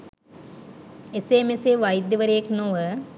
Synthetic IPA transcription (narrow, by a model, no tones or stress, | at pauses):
eseːmeseʋɐjd̪jɐʋəɾejeknoʋə